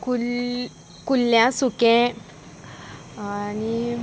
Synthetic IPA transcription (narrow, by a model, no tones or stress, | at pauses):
ku | kulːjãsukɛ̃ | ani